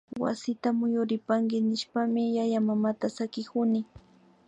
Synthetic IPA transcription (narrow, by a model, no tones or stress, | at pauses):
wa̰sɪt̪amʊjʊɾɪpaŋɡɪnɪʃpamɪjajamamat̪asakɪkʊnɪ